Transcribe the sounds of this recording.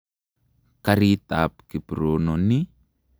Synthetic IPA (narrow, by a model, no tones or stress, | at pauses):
kaɾit̪ap̚kipɾononi